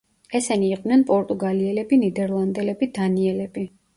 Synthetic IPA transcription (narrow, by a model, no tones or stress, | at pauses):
ɛsɛniːqʼd̪nɛnpʼɔɾt̪ʼuɡaliɛlɛbinid̪ɛɾlˠand̪ɛlɛbid̪aniɛlɛbi